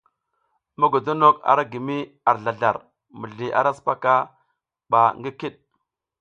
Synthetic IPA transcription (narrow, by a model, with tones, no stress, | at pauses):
ma˦ɡo˨do˦no˦ka̰˨ɾa˦ɡi˨mi˦ | a˨ɾɮa˨ɮa˨ɾ | mə˨ɮi˨ʔa̰˨ɾa˦spa˦ka˦ | ba˨ŋɡi˦ki˦ɗ̚